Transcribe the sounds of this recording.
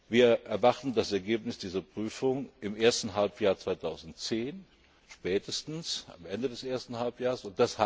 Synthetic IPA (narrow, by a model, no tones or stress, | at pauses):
viːɐʔɛɐvaχtn̩dasɛɐɡeːpnɪsd̥iːzɐpʁ̥yːfʊŋɪmʔeːɐstn̩ɦalpjaːɐt͡sv̥aɪtʰaʊzn̩tt͡seːn | ʃpɛːtʰəstn̩sa̰mʔɛndədɛsʔeːɐstn̩halpjaːʁsʊnt̚d̥asha